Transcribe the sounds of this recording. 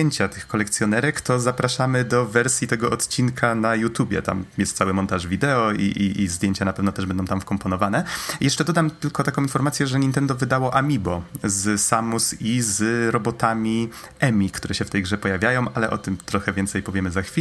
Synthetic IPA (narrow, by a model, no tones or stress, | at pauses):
eɲt͡ɕat̪ɘxkɔlɛkt̪sʲjɔnɛɾɛkt̪ɔzapɾaʂamɘd̪ɔvɛɾsʲjit̪ɛɡɔʔɔt̪t͡ɕinkʰanajut̪jubʲjɛ̰t̪a̰mjɛst̪sawɘmɔnt̪aʐvʲid̪ɛɔiʔiʔizd̪ʲjeɲt͡ɕanapɛvnɔ̃wt̪ɛʐbɛnd̪ɔ̃w̃t̪amfkɔmpɔnɔvanɛjɛʂt͡ʂɛd̪ɔd̪amt̪ɘlkɔt̪akɔ̃w̃infɔɾmat̪sʲjɛʐɛɲint̪ɛnd̪ɔvɘd̪awɔʔamʲibɔzsamusizɾɔbɔt̪amʲi | ɛmʲikt̪uɾɛɕɛft̪ɛjɡʐɛpɔjavʲjajɔ̃w̃ʔalɛʔɔt̪ɘmt̪ɾɔxɛvʲjɛnt̪sɛjpɔvʲjɛmɘzaxfʲi